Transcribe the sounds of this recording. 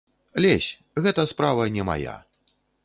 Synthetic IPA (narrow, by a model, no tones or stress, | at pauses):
alʲɛsʲ | ɣɛt̪ɐspɾavɐnʲɛma̰ja̰